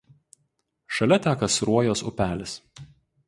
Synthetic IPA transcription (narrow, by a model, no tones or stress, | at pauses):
ʃɐlʲɛt̪ʲæːkɐsɾuɔjoːsʊ̰pʲæːlʲɪs